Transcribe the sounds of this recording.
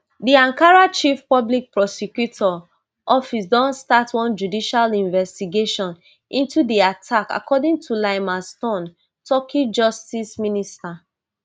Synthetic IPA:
diãŋkaɹat͡ʃifpɔblik̚pɹɔsɛkjutʰɔ | ʔɔfisdɔ̃nstatwɔ̃nd͡ʒudiʃalĩɱvɛstiɡeʃɔ̃n | ʔĩntudiatʰaka̰kɔdĩŋtʰulaɪmastɔ̃n | tɔkʰid͡ʒɔstisminista

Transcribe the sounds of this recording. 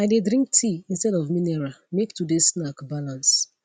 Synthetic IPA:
aɪdedɾĩŋk̚tʰiĩnstɛdɔvminɛɹamektʰudesnakbalãns

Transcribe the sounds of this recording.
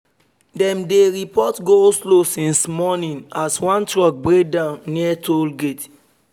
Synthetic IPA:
dɛ̃mdeɹipɔtɡoslosĩnsmɔnĩnaswãntɹɔk̚bɹek̚dãʊ̃nːitʰolɡet

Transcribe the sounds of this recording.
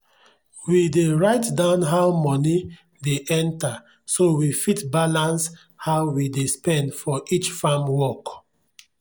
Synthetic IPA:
wideɹaɪtdãʊ̃nɦaʊmɔni | deʔɛ̃nta | sowifitbalãns | haʊwidespɛ̃ndfɔʔit͡ʃfamwɔk

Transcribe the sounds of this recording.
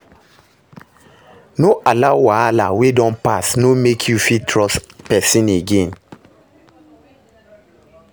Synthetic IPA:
noʔalawaala̰wedɔ̃npasnomekʰjufitʰɹɔspɛsĩneɡẽn

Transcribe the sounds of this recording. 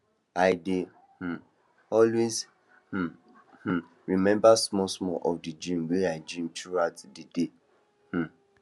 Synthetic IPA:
aɪde | h̩ | ɔlwez | h̩ | h̩ | ɹimɛ̃mbasmɔsmɔʔɔfdid͡ʒĩmweaɪd͡ʒĩmtʰɹuatdide | h̩

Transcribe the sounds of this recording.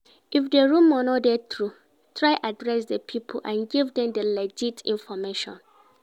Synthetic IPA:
ifdeɹũmɔnɔdɛtɹu | tʰɹaɪʔadɹɛsdəpʰipʰo̰ʔãnɡivdɛ̃mdəlɛd͡ʒitʰḭ̃nfɔmeʃɔ̰̃n

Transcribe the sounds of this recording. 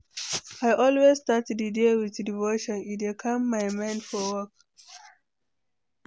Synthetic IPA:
aɪʔɔlwezstatdɨdewiðdivoʃɔ̃nit̚ɛkʰãmːaɪmãɪ̃ndfɔwɔk̚

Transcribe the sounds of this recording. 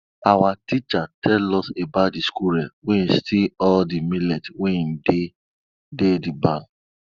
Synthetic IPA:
awatit͡ʃatʰɛlɔsebat̚diskuɾɛweĩstʰiɔldimilɛtwenide | dedibã

